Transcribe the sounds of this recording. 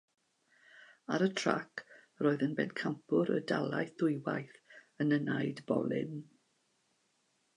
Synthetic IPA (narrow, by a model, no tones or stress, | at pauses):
aɾətʰr̥a̰kʰ | roːɨðənbɛ̰nkʰampʰʊɾədalˠajθðʊjwa̰jθ | ənənajdbɔ̰lˠɪ̰n